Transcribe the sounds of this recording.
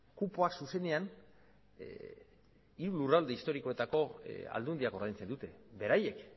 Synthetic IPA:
kupoaksuse̞ne̞an | iɾulurald̪e̞ist̪o̞ɾiko̞e̞t̪ako̞a̰ld̪und̪iako̞ɾðajnt͡se̞nd̪ut̪e̞be̞ɾaje̞k

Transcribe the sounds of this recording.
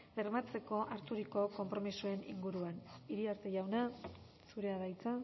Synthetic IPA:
leɾmat͡se̞ko̞ʔaɾt̪uɾiko̞ko̞mpɾo̞misue̞nḭŋɡuɾuaniɾiaɾt̪e̞ʝawna | suɾe̞aðajt͡sa

